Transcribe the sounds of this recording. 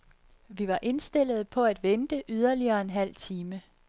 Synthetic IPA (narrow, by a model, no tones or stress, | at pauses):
ʋiʋɑ̈ʔe̝nsd̥e̝l̰ð̞̩ˠpʰɒ̽æd̥ʋend̥əʔyð̞ˠɐliɐːe̝nɦæl̰t͡sʰiːmə